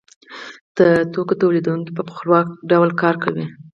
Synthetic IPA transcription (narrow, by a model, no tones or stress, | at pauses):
d̪̥ət̪okot̪owled̪uŋkopəpə̥xɾwɑk̚ɖawlkɑɾkawi